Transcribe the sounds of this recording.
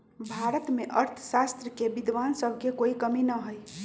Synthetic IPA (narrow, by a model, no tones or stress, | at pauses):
bʱaɾət̪meʔəɾt̪ʰəsast̪ɾəkebid̪ʋansəbʱkekoikəminəɦoj